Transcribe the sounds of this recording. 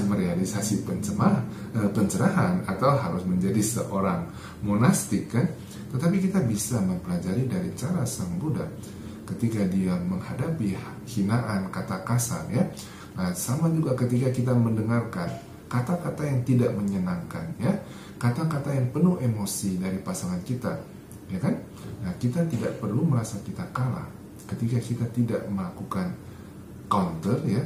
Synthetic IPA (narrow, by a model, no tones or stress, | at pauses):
məɾealisasipəəa | əpəɲt͡ʃəɾaɦanat̪awɦaɾʊsməɲd͡ʒadisə̰ʔoɾaŋ | monast̪ɪkːan | t̪ət̪ap̬ikit̪abisaməmpəlad͡ʒaɾidaɾit͡ʃaɾasəŋbuda̰ | kət̪ikadiaməŋhadapi | hinaʔankat̪akasa̰lja | asamad͡ʒuɡakət̪ikakit̪aməndəŋarkan | kat̪akat̪ajaŋt̪idaʔməɲənaŋkanja | kat̪akat̪ajaŋpənʊhemosidaɾipasaŋankit̪a | jakan | nakit̪at̪idaʔpərluməɾasakit̪akala̰h | kət̪ikakit̪at̪ida̰ʔməlakukan | kawnt̪ərja